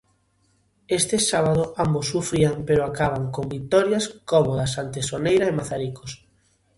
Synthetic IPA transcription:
est̪ɪsaβ̞að̞ʊambosːufɾiaŋpeɾoakaβ̞aŋkombit̪ɔɾjaskɔmoðasant̪esonejɾɐemaθaɾiko̥s

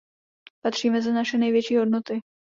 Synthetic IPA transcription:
pat̪r̝̥iːmɛzanaʃɛnɛjvjɛt͡ʃiːɦo̞dnot̪ɪ

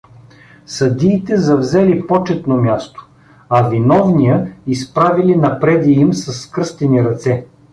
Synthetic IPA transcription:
sɐd̪iːt̪ɛzɐvzɛlipɔt͡ʃɛt̪nomʲjast̪o̥ | ɐvinɔvnijəispɾavilinɐpɾɛd̪iːmsɐsːkɾɤst̪ɛniɾɐt̪sɛ

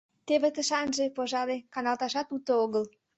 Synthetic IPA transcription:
t̪eβet̪əʃɑnʒepoʒɑlekɑnɑlt̪ɑʃɑt̪ut̪ooɣəl

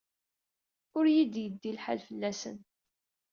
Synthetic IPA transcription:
ʊɾjid̪jəd̪ːilħa̰lfəlːæsə̰n

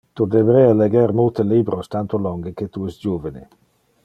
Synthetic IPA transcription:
t̪ud̪ebɾɛaleɡɛɾmult̪elibɾost̪ant̪olɔŋɡeket̪uɛst̪d͡ʒuvenḛ

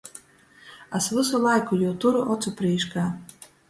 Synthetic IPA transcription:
asvɨsulˠajkujuwt̪uɾʔɔt͡s̪upɾijʃkaː

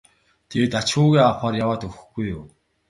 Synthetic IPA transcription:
t̪ʰewt̪at͡ɕxʊːɣʲiːaχaːrjawaːt̪ɵxɘ̥̆xɡ̥ujʊw

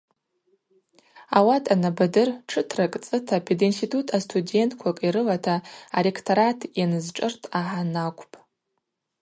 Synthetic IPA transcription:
awatʰʼanabadɨrʈ͡ʂʰɨtʰrakʼt͡sʼɨtʰapʰidinstitʰutʰastʰude̞ntʼʰkʷʰakʼiɾɨlatʰaːle̞kʰtʰoɾatʰjanɨzʈ͡ʂʼɨrtʰʼaħanakʷʰʼpʼ

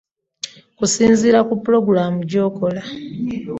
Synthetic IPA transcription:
kusiːnziːɾakupːuɾo̞ɡuɾaːmuɟo̞ːko̞la

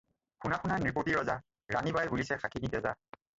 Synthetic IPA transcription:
xʰunaxʰunaniɹpotiɹɔza | ɹanibajbulisɛxʰakʰinitɛza̰

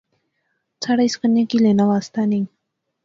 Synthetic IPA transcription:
t͡sʰaɽajskənakilenawast̪aniŋ

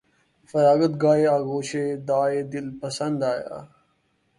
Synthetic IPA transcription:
fɐɾaːɡət̪̚ɡaːeaːɡoːt͡ɕʰeːd̪aːed̪ɪlpɐsɐnd̪aːja̰ː

